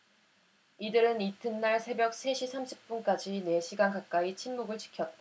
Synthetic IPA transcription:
idɯɾɯnitʰɯnːaɭsʰe̞bjʌk̚sʰe̞ɕʰisʰamɕʰip̚p͈unk͈ad͡ʑine̞ɕʰiɡankak̚k͈ait͡ɕʰinmuɡɯɭt͡ɕʰi̥kʰjʌt̚t͈a

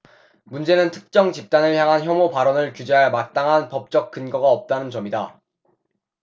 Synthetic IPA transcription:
mund͡ʑe̞nɯntʰɯ̥k̚t͡ɕ͈ʌŋt͡ɕip̚t͈anɯɭçjaŋɦançjʌmopaɾʌnɯɭkjud͡ʑe̞ɦaɭmat͈aŋɦanpʌp̚t͡ɕ͈ʌk̚k͈ɯnɡʌɡaʌp̚t͈anɯnt͡ɕʌmida

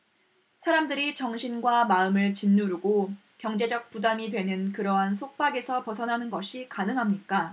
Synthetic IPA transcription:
sʰaɾamdɯɾit͡ɕʌŋɕʰinɡwamaɯmɯɭt͡ɕinːuɾuɡo | kjʌŋd͡ʑe̞d͡ʑʌk̚p͈udamidwe̞nɯnkɯɾʌɦansʰok̚p͈aɡe̞sʰʌpʌsʰʌnɦanɯnɡʌɕʰikanɯŋɦamɲik͈a

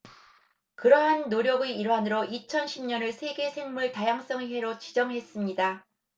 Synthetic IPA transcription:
kɯɾʌɦanːoɾjʌɡɯiɾwanɯɾoʔit͡ɕʰʌnɕʰimɲʌnɯɭsʰe̞ɡe̞sʰe̞ŋmuɭtajaŋs͈ʌŋɦeɾot͡ɕid͡ʑʌŋɦe̞s͈ɯmɲida

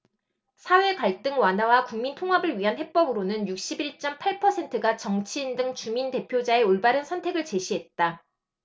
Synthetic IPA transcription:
sʰawe̞kaɭt͈ɯŋwanɦawakuŋmintʰoŋɦabɯɭɥiɦanhe̞p͈ʌbɯɾonɯnjuk̚ɕ͈ibiɭt͡ɕ͈ʌmpʰaɭpʰʌsʰe̞ntʰɯɡat͡ɕʌŋt͡ɕʰiːndɯŋt͡ɕuminte̞pʰjod͡ʑae̞oɭbaɾɯnsʰʌntʰe̞ɡɯɭt͡ɕe̞ɕʰiɦe̞t̚t͈a

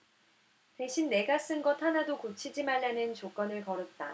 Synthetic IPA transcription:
te̞ɕʰinːe̞ɡas͈ɯnɡʌtʰhanadokot͡ɕʰid͡ʑimaɭːanɯnt͡ɕok͈ʌnɯɭkʌɾɯt̚t͈a

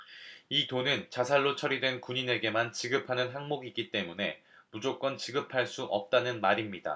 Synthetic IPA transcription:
itonɯnt͡ɕasʰaɭːot͡ɕʰʌɾidwe̞nkuɲine̞ɡe̞mant͡ɕiɡɯpʰanɯnɦaŋmoɡiɡit͈e̞mune̞ | mud͡ʑok͈ʌnt͡ɕiɡɯpʰaɭs͈uʔʌp̚t͈anɯnmaɾimɲida̰

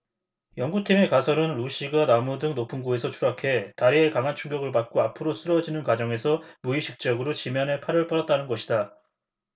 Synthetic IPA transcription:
jʌŋɡutʰime̞kasʰʌɾɯnɾuɕʰiɡanamudɯŋnopʰɯnɡue̞sʰʌt͡ɕʰuɾakʰe̞taɾie̞kaŋɦant͡ɕʰuŋɡjʌɡɯɭpak̚k͈oapʰɯɾos͈ɯɾʌd͡ʑinɯnkwad͡ʑʌŋe̞sʰʌmuiɕʰik̚t͡ɕ͈ʌɡɯɾot͡ɕimjʌne̞pʰaɾɯɭp͈ʌɾʌt̚t͈anɯnɡʌɕʰida

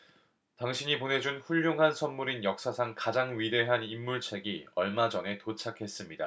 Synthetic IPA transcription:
taŋɕʰiɲipone̞d͡ʑunɸuʎːjoŋɦansʰʌnmuɾinjʌk̚s͈asʰaŋkad͡ʑaŋɥide̞ɦanimːuɭt͡ɕʰe̞ɡiʌɭmad͡ʑʌne̞tot͡ɕʰakʰe̞s͈ɯmɲida̰

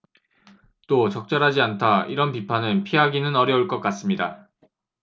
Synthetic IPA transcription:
t͈ot͡ɕʌk̚t͡ɕ͈ʌɾɦad͡ʑiantʰaiɾʌnpipʰanɯnpʰiɦaɡinɯnʌɾjʌuɭk͈ʌk͈as͈ɯmɲida̰

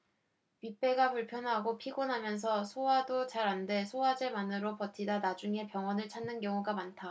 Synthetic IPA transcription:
pip͈e̞ɡapuɭpʰjʌnɦaɡopʰiɡonɦamjʌns̬ʰʌsʰowadot͡ɕaɾande̞sʰowad͡ʑemanɯɾopʌtʰidanad͡ʑuŋe̞pjʌŋwʌnɯɭt͡ɕʰanːɯnkjʌŋuɡamantʰa

